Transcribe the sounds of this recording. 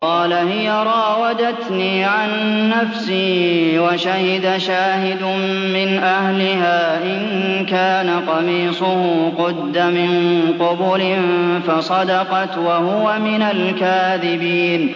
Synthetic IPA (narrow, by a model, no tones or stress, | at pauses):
qɑːlahɪjaɾˤɑːwad̪at̪niːʕanːafsiːwaʃahɪd̪aʃaːhɪd̪ʊ | mɪnʔahlɪhaːʔɪnkaːnaqɑmiːsˤʊhʊqʊd̪ːamɪnqʊbʊlɪnfɑsˤɑd̪ɑqɑt̪wahʊwamɪnalkaːðɪbiːn